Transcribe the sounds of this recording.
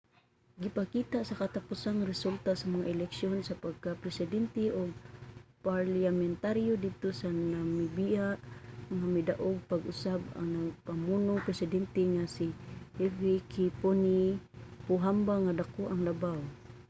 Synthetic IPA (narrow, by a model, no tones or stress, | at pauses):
ɡipakit̪aʔsakat̪apʊsaŋɾɪsult̪asamaŋaʔɪlɛkʃjonsapaɡ̚kapɾɛsɪdɛnt̪eʔʊɡ̚paɾljamɛnt̪aɾjodɪd̪̚t̪osanamibiaʔŋamid̪aʔʊɡ̚paɡʔʊsaba̰ŋnaɡpamunʊŋpɾɛsɪdɛnt̪eŋasihɛvikiponipʊɦambaŋadakoʔaŋlabaw